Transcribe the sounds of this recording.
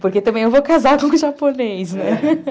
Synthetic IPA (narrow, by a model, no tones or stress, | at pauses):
poɾket̪ɐ̃mbẽj̃ewvokazaɾkõʊʒaponejsnɛ